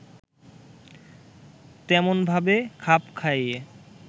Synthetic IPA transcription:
t̪ɛmonbʱabekʰapkʰaje

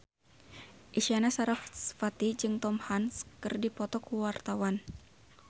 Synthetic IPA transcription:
ʔiʃianasaɾafsfat̪id͡ʒɨŋt̪ɔmhanskɨrdipɔt̪ɔkuwart̪awan

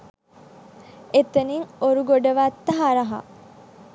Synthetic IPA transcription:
et̪eniŋoɾuɡoɖɐʋat̪ːɐɦaɾɐɦɐ̰

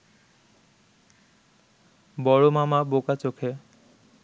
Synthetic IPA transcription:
bɔɹomamabokat͡ɕokʰe

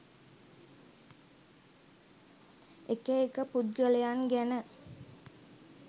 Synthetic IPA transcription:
ekəekəpud̪̚ɡəlejanɡænə

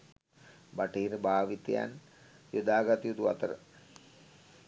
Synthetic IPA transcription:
baʈiːɾəbʱaːʋit̪ḛja̰n | jod̪aːɡat̪ijud̪uʋa̰t̪əɾə̰

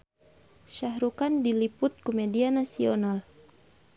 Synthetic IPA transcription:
ʃaɦɾukandilipʊt̪̚kumɛdianasiɔnal

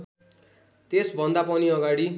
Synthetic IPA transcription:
t̪esbʱʌnd̪apʌniʌɡaɽi

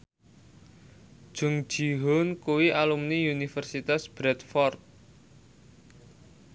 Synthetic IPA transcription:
ʒ̥ʊ̤ŋ̥ʒ̥iɦʊnkuwiʔalumniunifərsit̪asb̥ɾɛt̪fɔrt̪̚

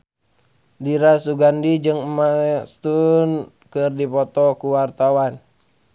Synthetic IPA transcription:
diɾasuɡandid͡ʒɨŋmast̪un | kɨrdipɔt̪ɔkuwart̪awan

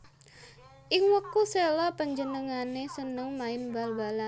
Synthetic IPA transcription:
ʔɪŋwəkuselɔpəɲd͡ʒənəŋanesənəŋmaɪnbalbala

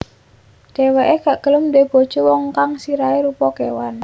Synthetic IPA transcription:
d̥eweʔeɡaʔɡ̥ələmdeb̥o̤d̥ʒ̥owɔŋkaŋsiɾaeɾupɔkewan

